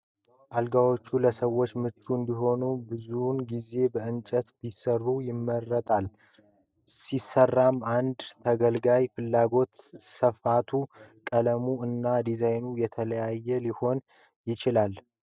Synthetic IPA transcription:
ʔalɡawo̞t͡ʃːuləsəwːo̞t͡ʃːmɨt͡ʃːuɨnd̪iɦo̞nubɨzunɡize̞bəɨnt͡ʃʼət̪bisərːujɪmːərːət̪ʼal | sisərːamand̪t̪ʰəɡəlɡajfɨlːaɡo̞t̪səfat̪ʰukʼələmuɨnːad̪izajnujɛt̪ʰələjajːɛliho̞n | jɪt͡ʃɪlal

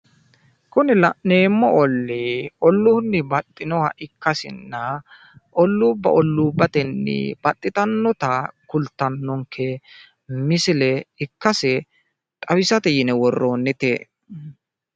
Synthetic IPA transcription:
kʊnɪlɐneːmːɔʔɔlːɪɔlːʊnːɪbɐt̪ʼːɪnɔwɐ̰ʔɪkːɐsɪ̰nːɐ | ʔɔlːuːbːɐ̰ʔɔlːuːbːɐt̪ɛnːɪ̰b̥ɐt̪ʼːɪt̪ɐnːɔt̪ɐkʊlt̪ːɐnːɔŋkʰɛ | mɪsɪlɛɪkːɐsɛ | tʼɐwɪsɐt̪ɛjɪnɛwɔrːoːnːɛt̪e

